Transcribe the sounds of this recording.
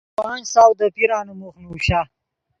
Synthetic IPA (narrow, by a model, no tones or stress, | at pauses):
wɑːnsaːwd̪əpiɾɑːnumuxnuɕa